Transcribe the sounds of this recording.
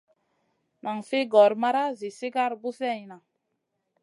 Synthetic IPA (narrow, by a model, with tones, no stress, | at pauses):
ma˨ŋfe˦ɡɔ˨ɾma˦ɾa˦zi˨se˦ɡa˦˨ɾbu˦sɛ˦˨i˨na˨